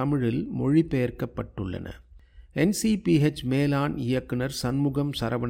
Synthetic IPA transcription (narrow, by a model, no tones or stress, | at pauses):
ɐmɪɻɪlmɔɻipɛjɐɾkɐpːɐʈːɯɭːɐ̰nɐ̰ | ɛnsipiɛt͡ʃːmeːlaːnɪjɐkːɪnɐɾsɐnmuːɣɐmsɐɾɐʋɐ